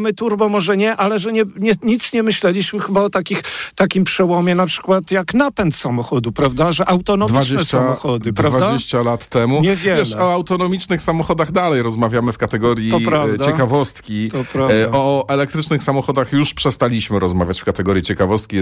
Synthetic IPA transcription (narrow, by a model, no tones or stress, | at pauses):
mɘt̪uɾbɔmɔʐɛɲɛʔalɛʐɛɲɛɲɛɲit̪sɲɛmɘɕlɛlʲiɕmɘxɘbaɔt̪akʲixt̪akʲimpʂɛwɔmʲjɛnapʂɘ̥kwat̪jaknapɛnt̪samɔxɔd̪upɾavd̪aʐɛʔawt̪ɔnɔmd̪vʲviad͡ʑd͡ʑnɛst͡ɕamɔxɔd̪ɘpɾavvad̪d͡ʑeɕt͡ɕalat̪ːɛmuɲɛvʲjɛɛmʂɔawt̪ɔnɔmʲit͡ʂnɘxsamɔxɔd̪aɣd̪alɛjɾɔzmavʲjamɘfkat̪ɛɡɔɾʲjiɔɾavd̪t͡ɕɛkavɔst̪kʲit̪ɔpɾaɔɛlɛk̚t̪ɾɘt͡ʂnɘxsamɔxɔd̪axjuʂpʂɛst̪alʲiɕmɘɾɔzmavʲjat͡ɕfkat̪ɛɡɔɾjit͡ɕɛkavɔst̪̚kʲi